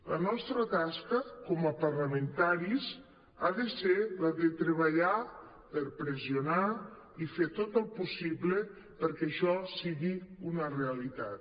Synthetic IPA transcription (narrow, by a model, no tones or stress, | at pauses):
lənɔst̪ɾət̪askəkɔməpəɾləment̪aɾis | aðəselaðet̪ɾeβəʎa | pəɾpɾeziona | ifet̪ot̪əlˠpusiblə | pəɾkɛʃɔsiɣiunəreəlit̪a̰t̪̚